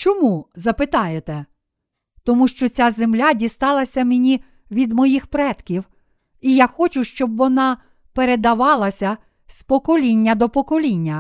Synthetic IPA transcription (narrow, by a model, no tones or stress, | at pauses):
t͡ʃɔmuzɐpɪt̪ɑjet̪ɛ | t̪ɔmuʃt͡ʃɔt͡sʲazemlʲadʲist̪ɑlˠɐsʲɐmenʲi | ʋʲid̪mɔjixpɾɛt̪kʲiw | ijaxɔt͡ʃʊʃt͡ʃɔbʋɔnɑ | peɾed̪ɐʋɑlˠɐsʲɐ | spɔkɔlʲinʲːɐd̪ɔpɔkɔlʲinʲːɐ